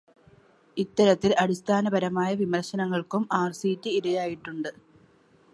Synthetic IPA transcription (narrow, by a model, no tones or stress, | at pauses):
it̪ːɐɾɐt̪ːilɐɽist̪ʰaːnɐbɐɾɐmaːjɐʋimɐrɕɐnɐŋːɐɭkumaːrsiːtːiːɾɐjaːjiʈːuɳɖɨ